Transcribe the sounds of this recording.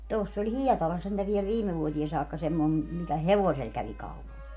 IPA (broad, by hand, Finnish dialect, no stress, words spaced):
tosː olʲ hiɛtɑlɑs sentæ ʋiɛl ʋiːme ʋuotie sɑːkːɑ semːoi mikæ heʋosel kæʋi kɑupɑl